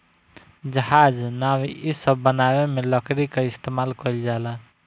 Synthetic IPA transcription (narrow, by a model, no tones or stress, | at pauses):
d͡ʒəɦad͡ʒnawiisəbːənabemeləkɾikeist̪emalkəjld͡ʒala